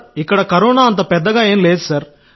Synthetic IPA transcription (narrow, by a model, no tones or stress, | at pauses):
ɪkːɐɽɐkɐɾoːnaːɐnt̪̬ɐpɛd̪ːɐɡaːeːnleːd̪usɐɾ